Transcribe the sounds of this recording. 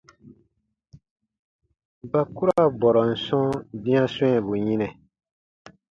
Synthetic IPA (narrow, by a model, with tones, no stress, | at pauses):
ba˨ku˦ɾa˦bɔ˨ɾɔ˨n̩˨sɔ̃˦bĩ˦ã˦swɛ̃˦˨bu˨ɲĩ˦nɛ̃˨